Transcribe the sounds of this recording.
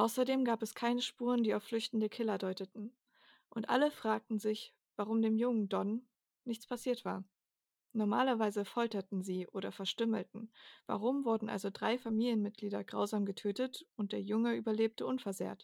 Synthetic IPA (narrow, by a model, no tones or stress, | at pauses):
ʔaʊsɐdeːmɡaːpɛskʰaɪnəʃpuːʁəndiːaʊflʏçtn̩dəkʰɪlɐdɔʏtətn̩ | ʔʊntʔa̰ləfʁ̥aːk̚tn̩zɪç | v̥aʁʊmdeːmjʊŋəndɔn | nɪçt͡spʰasiːɐtv̥a̰ːɐ | nɔɐma̰ːlɐvaɪzəfɔltɐtn̩ziːʔoːɾɐfɛɐʃtʏml̩tn̩va̰ʁʊmvʊɐdn̩ʔa̰lzodʁaɪfamiːljənmɪt̚ɡ̥liːdɐɡʁa̰ʊzaːmɡətʰøːtətʔʊnt̚d̥eːɐjʊŋəʔyːbɐleːp̚tʰəʔʊnfɛɐzḛːɐt